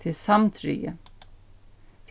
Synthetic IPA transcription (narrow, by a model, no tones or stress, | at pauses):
ɪlsamt̪ʰɾʏ̰ːə̰ | h